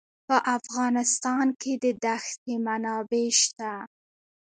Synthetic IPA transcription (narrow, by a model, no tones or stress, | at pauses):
pəʔafɣɑnɪst̪ɑnkʰed̪əd̪axt̪emanɑbeʃt̪a